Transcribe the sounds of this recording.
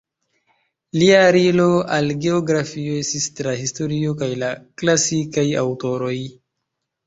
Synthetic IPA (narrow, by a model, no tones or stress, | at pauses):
liaɾiloalɡe̞oɡɾafio̞e̞stistɾahisto̞ɾiokajlaklasikaja̰wto̞ɾo̞j